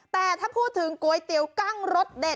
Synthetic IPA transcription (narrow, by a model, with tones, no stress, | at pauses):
t̪aː˨˩t̪ʰə˦˥p̚hu˧t̪ʰɨ˨˦əŋku˨˦əjt̪i˧˩˦əwka˧ŋzo˦˥t̚ɗe˨˩